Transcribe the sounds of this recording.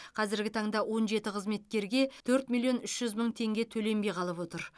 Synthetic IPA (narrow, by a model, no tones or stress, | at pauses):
qʰɑzɪɾɡʲɪt̪ʰɑɴd̪ɑwo̞nʒe̞t̪ɪqʰəzme̞t̪kʲe̞ɾɡʲe̞t̪ʰɵɾt̪milʲˠijo̞nʏʃʒ̥ʏzməɴt̪ʰe̞ŋɡʲe̞t̪ʰɵle̞mbe̞jqʰɑlˠəpwo̞t̪əɾ